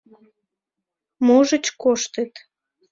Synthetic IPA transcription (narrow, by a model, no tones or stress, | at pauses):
moʒət͡ɕkoʃt̪ət̪